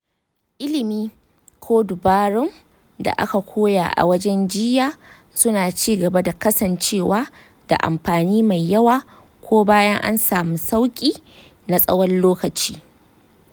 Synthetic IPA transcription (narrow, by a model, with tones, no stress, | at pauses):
ʔɪ˦lɪ˨miː˦ | kʷʰoː˦dʊ˨baː˦ɽʊ˦ŋ | da̰˨ʔa̰˦ka˨kʷoː˦ja̰˨ʔa̰˨wɐ˦d͡ʒɛ˦nd͡ʒɪ˦jaː˨ | sʊ˦naː˨t͡ʃiː˦ɡɐ˨ba˦da˨kɐ˦sɐ˨nt͡ʃeː˦˨waː˦ | d̥a̰˨ʔa̰˨mɸaː˨niː˦ma˨jːɐ˦waː˨ | kʷoː˦baː˦jɐ˦ŋʔa̰˦nsaː˨muː˦sa˦wkʲʼiː˦ | na˨sʼɐ̰˦wɔ˦nloː˦kɐ˨t͡ʃiː˦